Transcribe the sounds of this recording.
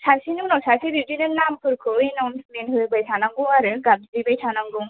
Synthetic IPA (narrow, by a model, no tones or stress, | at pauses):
sʰaɾsinɯŋnawsaɾsiɾid͡ʒinɯlnamkʰɯɾkʰɯinawnsmenɦɯbajsʰanaŋɡɯaɾɯɡab̚ddibajsʰanaŋɡɯ